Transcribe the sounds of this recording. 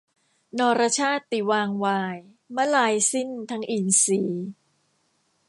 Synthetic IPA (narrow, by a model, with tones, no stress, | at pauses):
nɔː˧ɾa˧t͡ɕʰaː˥˩t̪ːi˨˩waː˧ŋwaː˧j | ma˥laː˧jsi˥˩nt̪ʰa˦˥ŋʔiː˨˩nsiː˩˦